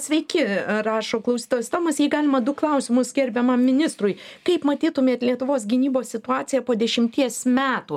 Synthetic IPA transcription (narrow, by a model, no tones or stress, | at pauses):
sʲʋʲɛɪkʲɪrɑːʃoːklˠɐʊsʲiːt̪ɐst̪oːmɐsjɛɪɡɑːlʲɪmɐd̪ʊklˠɐʊsʲɪmʊsɡʲɛɾʲbʲɛmɐmːʲɪnʲɪst̪ɾʊjkɐɪpmɐt̪ʲiːt̪ʊmʲeɛt̪lʲiɛt̪ʊʋoːs̬ɡʲɪnʲiːboːsʲsʲɪt̪ʊɑːt͡ssʲɪjɛpoːd̪ʲɛʃʲɪmʲt̪ʲiɛsmʲæːt̪u